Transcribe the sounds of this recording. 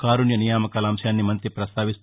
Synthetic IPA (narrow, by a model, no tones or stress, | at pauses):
kaːɾuɳjɐnijaːmɐkaːlɐːmʃɐjaːnːimɐnt̪ɾipɾɐst̪ʰaːʋis